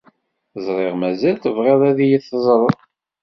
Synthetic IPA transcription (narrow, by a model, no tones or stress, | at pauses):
zˤɾˤeʁmæzælt̪əvʁeðˤæðijiθəzˤɾˤəðˤ